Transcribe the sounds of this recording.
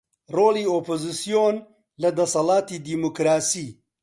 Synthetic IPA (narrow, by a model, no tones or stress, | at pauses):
roːliːoːpʰozisijon | lɐd̪ɐsɐlaːt̪iːd̪imokɾaːsiː